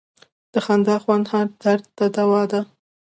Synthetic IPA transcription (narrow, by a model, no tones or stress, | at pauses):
d̪̥əxand̪ɑxwand̪hɑɾd̪̥aɾd̪̚t̪ad̪awɑd̪a